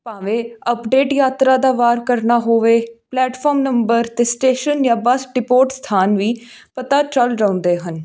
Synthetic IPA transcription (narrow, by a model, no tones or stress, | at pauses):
pãːʋẽːəpɖeːʈjaːt̪ɾaːd̪aːʋaːɾkəɾnaːɦoːʋeːplɛːʈfʰɔːmnəmbəɾt̪eːsʈeːʃənjãːbəsɖɪpoːʈst̪ʰaːnʋiː | pət̪aːt͡ʃəlɾaʊ̃ːnd̪eːɦən